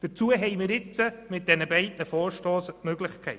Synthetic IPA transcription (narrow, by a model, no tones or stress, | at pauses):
d̥əɾt͡suəɦɛɪmɪɾɪt͡səmɪt̚d̥ɛnəbɛɪdnəfɔːɾʃtoːsmøɡlɪχkʰɛɪt